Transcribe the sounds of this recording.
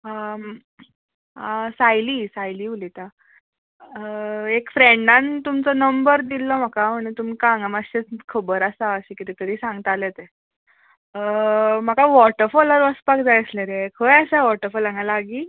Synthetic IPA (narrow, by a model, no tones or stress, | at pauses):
ə | sajliːsajliːulit̪a | ekfɾẽɳɖant̪umt͡sɔnəmbəɾd̪ilːɔm̤akaməɳt̪umikãŋɡamaɕet͡skʰəbəɾasaəɕĩkit̪it̪əɾiːsãŋɡt̪alet̪e | m̤akaʋɔʈəɾfɔləɾʋəspakd͡zajsləɾekʰəjasaʋɔʈəɾfɔlaŋɡalaɡiː